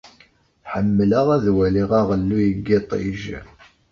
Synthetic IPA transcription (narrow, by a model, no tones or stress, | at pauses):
ħəmːələʁæðwæliʁɑʁəlːujəɡːɪt̪ˤḭʒ